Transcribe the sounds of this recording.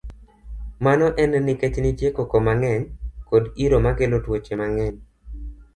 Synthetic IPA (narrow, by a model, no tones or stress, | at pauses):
manɔʔɛnnɪket͡ʃnɪtjekokomaŋɛɲkodiɾomaɡelotwot͡ʃemaŋɛɲ